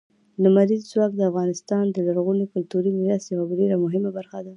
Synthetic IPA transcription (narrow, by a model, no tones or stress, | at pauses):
ləmaɾizzwɑk̚d̪əafɣɑnɪst̪ɑnd̪əlaɾɣunikʊlt̪uɾimɪɾast̪jawabaɖeɾamʊɦɪmabaɾxad̪a